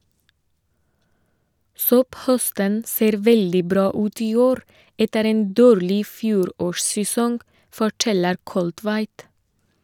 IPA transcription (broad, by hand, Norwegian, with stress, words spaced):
ˈsɔpˌhœstən ˈseːɾ ˈʋɛldɪ ˈbɾɑː ˈʉːt ˈiː ˈoːɾ ˈɛtəɾ ˈeːn ˈdoːɾlɪ ˈfjuːɾoːʃsɛˌsɔŋ fɔˈʈɛləɾ ˈkɔltʋæɪt